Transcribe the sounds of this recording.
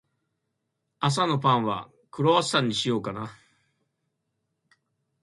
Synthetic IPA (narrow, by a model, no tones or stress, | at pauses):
as̬ano̞pãɰ̃βa̰ | kɯ̟ɾoasãɲ̟ːiɕijo̞ːkana